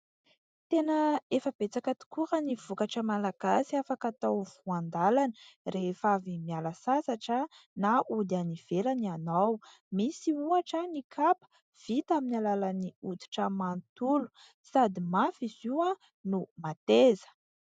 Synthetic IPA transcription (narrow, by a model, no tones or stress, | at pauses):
t̪enəefəb̥et͡sakət̪u̥kuɾəniv̥ukaʈ͡ʂəmalaɡ̥asiafakat̪awv̥uand̪alanə̥refavimialəsasaʈ͡ʂənaulaniv̥elanianaw | misiuaʈ͡ʂənikʰapə̥ | v̥it̪aminalalaniut̪i̥ʈ͡ʂəmant̪ulu̥ | sad̪imafizua | numat̪ezə̥